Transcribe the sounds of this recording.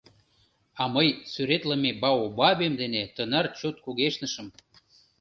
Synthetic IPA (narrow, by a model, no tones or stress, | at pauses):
ɑməjsyɾet̪lə̆mebɑobɑβemd̪enet̪ənərt͡ɕut̪̚kuɣeʃnəʃə̆m